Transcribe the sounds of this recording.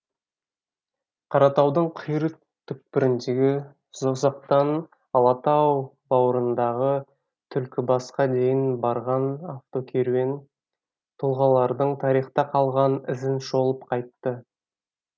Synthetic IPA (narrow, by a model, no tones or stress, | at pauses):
qʰɑɾɑt̪ɑwd̪əɴqʰəjɾə | t̪ʰʏk̚pɪɾɪnd̪e̞ɡʲɪ | zosɑq̚t̪ɑn | ɑlˠɑt̪ɑw | bɑwəɾənd̪ɑʁə | t̪ʰʏlkʲɪbɑsqɑd̪e̞jɪnbɑɾʁɑnaft̪o̞kʲʰeɾue̞n | t̪ʰʊlˠʁɑlˠɑɾd̪əɴt̪ʰɑɾijχt̪ɑqʰɑlˠʁɑnɪzɪnʃo̞lˠəp̚qʰɑjt̪ːə